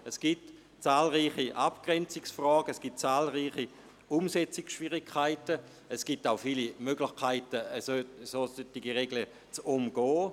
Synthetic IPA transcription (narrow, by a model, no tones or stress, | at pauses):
ɛsɡ̥it | t͡saːlʁiːχiʔapɡ̥ʁɛnt͡sɪksfrɔːɡ̥əɛsɡ̥it̚t͡saːlʁiːχi | umsɛt͡sɪksʃv̥iʁɪkʰːaɪtə | ɛsɡ̥itaʊfilimøɡlɪχkʰaɪtəəssoːsøtiɡiʁeɡlə | t͡sumɡ̥ɔː